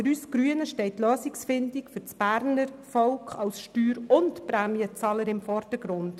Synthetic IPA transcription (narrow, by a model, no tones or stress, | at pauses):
əɾyːsɡɾyənəʃtɛɪtːløːsiksfɪndikfʏɾt͡sb̥æːɾnəɾfɔʊkχɑlsʃtyːɾʊntpɾæːmiət͡sɑːləɾɪmfɔɾd̥əɾɡ̥ɾʊnd̥